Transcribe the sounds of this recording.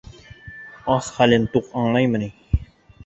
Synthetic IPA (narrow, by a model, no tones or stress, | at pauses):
ɑsχælɘnt̪oqɑɴlˠɑjmə̆ni